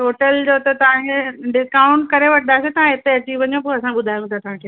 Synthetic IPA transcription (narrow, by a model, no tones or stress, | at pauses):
ʈoːʈəld͡ʑoːt̪ɐt̪ɐʋ̤ãeɖɪskaːʊɳʈkɐɾeʋɐʈʰnd̪aːset̪ɐʋ̤ãɦɪt̪eɐt͡ɕiːʋʋɐɲopuɐsãɓʊd̪ʱaːj̃ɡt̪ʰat̪ɐʋ̤ãkʰeː